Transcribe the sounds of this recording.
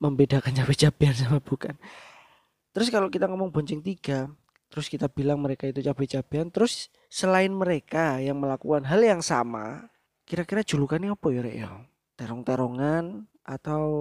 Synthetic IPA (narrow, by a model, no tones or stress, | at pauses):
məmbedakant͡ʃapɛt͡ʃabeans̬amab̥ukan | t̪əɾʊskalokit̪aŋamaŋboɲt͡ʃɪŋt̪iɡ̥a | t̪əɾʊskit̪abilaŋməɾekait̪ut͡ʃapɛt͡ʃab̥eant̪əɾʊsː | əlaɪnməɾekajaŋməlakukanɦaljaŋsa̰ma̰ | kiɾakiɾḁd͡ʒ̥ulukaniapɔjɔɾɛ̰ʔjo | t̪eɾɔŋt̪eɾoŋan | at̪aw